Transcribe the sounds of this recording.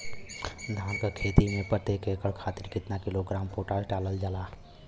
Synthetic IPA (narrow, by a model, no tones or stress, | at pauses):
d̪ʱaːnkakʰeːt̪imẽpəɾt̪eːkekəɭkʰaːt̪ɪɾkɪt̪nakɪloɡɾaːmpoːʈaːlʈaːləld͡ʒalaː